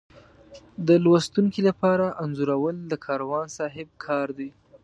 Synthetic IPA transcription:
d̪əlwast̪uŋkilapɑɾaʔanzuɾawəld̪əkʰɑɾawɑnsɑɦɪb̚kʰɑɾd̪e

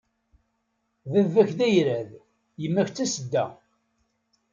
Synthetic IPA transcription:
ðəvːæçðæjɾæð | jəmːæçt͡sːæsəd̪ːæ

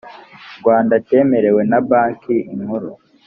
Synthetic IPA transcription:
ɾɡwaːndate̞ːme̞ɾe̞we̞nabaːkʰiiŋhuɾu

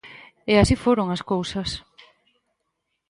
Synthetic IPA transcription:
easifoɾoŋaskowsɐs

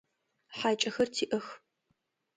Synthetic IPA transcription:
ħaːt͡ʃʼɐxɐrtʰiːʔɐx

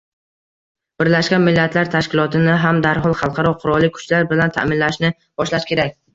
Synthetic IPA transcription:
b̥ɪɾlaʃkʲanmɪlːat̪ʰlaɾt̪ʰaʃkʲɪlˠɒt̪ʰɪnɪɦamd̪aɾɦɒlˠχɑlˠqʰɑɾɒqʰʊɾɒlˠːɪkʰʊ̥t͡ʃlaɾbɪlant̪ʰa̰mɪnlaʃnɪ | b̥ɒʃlaʃkʲe̞ɾak̚ʲ

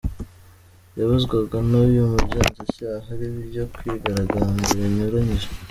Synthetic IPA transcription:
jaβuzɡwaɡanuβjumubɟaːnzacaːɦaɾiβiɾɟokwiɡaɾaɡaːnɡoβiɲuɾaɲiɾa

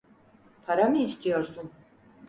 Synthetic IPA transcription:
pʰaɾamɯːst̪ʰijoɾsun

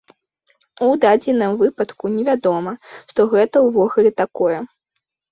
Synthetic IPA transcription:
ud̪ad͡zʲinɨmvɨpɐt̪kunʲɛvʲad̪ɔmɐʂt̪ɔɣɛt̪ɐwvɔɣulʲɛt̪akɔjɛ

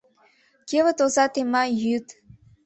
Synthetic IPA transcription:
kʲevə̆t̪ozɑt̪emɑjyt̪

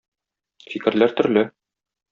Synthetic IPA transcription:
fikɘ̆ɾlæɾt̪ɵ̆ɾlɘ

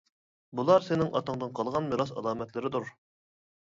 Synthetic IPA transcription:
bulˠɑɾsɪnɪŋɑ̰t̪əɴd̪ɨnqʰɑlˠʁɑnmiɾɑs̬ɑ̰lˠɑːmɛt̪lɪɾɪd̪uɾ

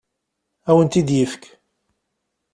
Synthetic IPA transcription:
æwənt̪id̪jəfkʰ

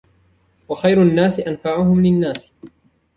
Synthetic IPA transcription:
waxajɾnːaːsɪʔanfaʕʊhʊmlɪnːaːs

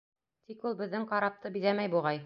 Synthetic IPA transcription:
t̪ikulˠbɘ̆ðːɘŋqɑɾɑp̚t̪ɤbiðæmæjbuʁɑj

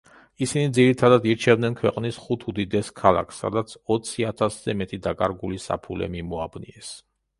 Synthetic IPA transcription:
isinid̪ziɾit̪ʰad̪ad̪iɾt͡ʃʰɛvd̪nɛnkʰwɛqʼnisχut̪ʰud̪id̪ɛskʰalˠa̰kʰsːa̰d̪at̪sʰɔt̪sʰiat̪ʰaszɛmɛt̪ʼid̪akʼaɾɡulisa̰pʰulɛ̰mimɔabnḭɛs

